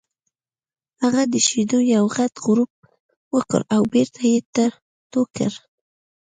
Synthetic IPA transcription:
haɣad̪əʃed̪ojawɣat̪ɣɾup̚ | wəkə̰ɾawbeɾt̪ʰajet̪ə | t̪okə̰ɾ

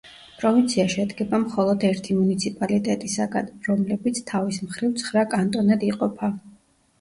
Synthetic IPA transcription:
pʼɾɔvint̪sʰiaʃɛd̪ɡɛbamχɔlˠɔd̪ɛɾt̪ʰimunit̪sʰipʼalit̪ʼɛt̪ʼisaɡa̰nɾɔmlɛbit̪sʰt̪ʰavismχɾivt̪sʰχɾakʼant̪ʼɔnɛd̪iqʼɔpʰa

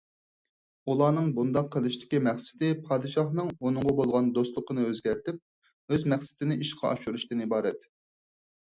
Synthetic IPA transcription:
ulˠɑːnɨŋbund̪ɑqʰːəlˠɨʃt̪ʰɪ̥kʲimɛχsɪ̥d̪ɪpʰɑːd̪ɨʃɑχnɨŋonɨŋʁɑbolˠʁɑnd̪ost̪lˠʊqʰənɨøzɡʲɛɾt̪ɪp̚ | øzmɛχsɪ̥t̪ɪnɪiʃqʰɑ̰ʔɑ̰ʃuɾuʃt̪ɨnibɑːɾɛt̪

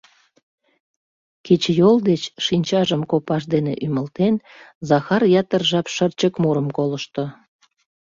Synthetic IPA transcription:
kit͡ɕjold̪eʃinʲt͡ɕɑʒəmkopɑʃd̪enḛʔyməlt̪en | zɑxɑrjɑt̪ərʒɑpʃərt͡ɕəkmuɾəmkoləʃt̪o

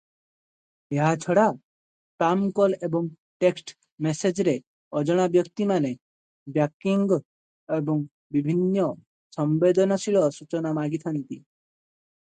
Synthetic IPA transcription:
eɦat͡ʃʰɔɽa | ʈamkɔlebɔŋ | ʈeksʈ | mesed͡ʒɾe | ɔd͡ʒɔɽ̃abjɔkt̪imane | bjakiŋɡ | ebɔŋ | bibʱinːɔ | sɔmbed̪ɔnɔsiɭɔsut͡ʃɔnamaɡit̪ʰant̪i

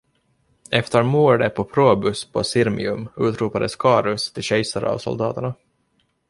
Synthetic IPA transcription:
ɛft̪əɾmuːɖəpʰɔpʰɾoːbɵspʰɔ̰sɪɾmɪ̰ɵmʉːt̪ɾuːpad̪əskʰɑːɾɵst̪ʰɪlɕɛjsaɾɑ̰vsɔ̰ld̪ɑːt̪əɳa

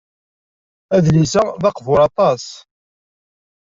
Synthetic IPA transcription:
æðlisəðɑqvʊɾɑt̪ˤɑs

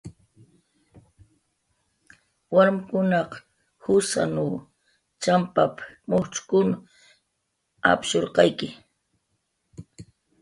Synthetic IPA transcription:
waɾmkʊnɑq | hʊsa̰nu | t͡ʃampapmʊt͡ʃkʊnʊ | a̰pʃoɾqɑjkɪ

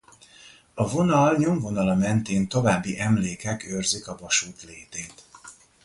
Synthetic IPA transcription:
ɒvo̞nɒlɲo̞ɱvo̞nɒlɒmɛnt̪eːnt̪o̞vaːbːiʔɛmleːkɛkøːrzikɒvɒʃuːt̪leːt̪eːt̪

